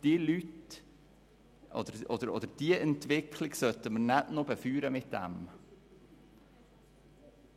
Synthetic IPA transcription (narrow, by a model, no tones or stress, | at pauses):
d̥ilyt | ʔɔ̰d̪əɾʔɔd̪əɾɔ̰d̥̪əɾd̥iəʔɛnt̪ʋɪkʰlɪɡsœt̪əməɾnætnobəfyːɾəmɪt̪d̪̥æ̰m